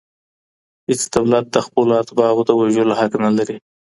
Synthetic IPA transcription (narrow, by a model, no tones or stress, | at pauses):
het͡sd̪awlat̪̚d̪əxpəloat̪bɑɣod̪əwaʒəlohaknalaɾi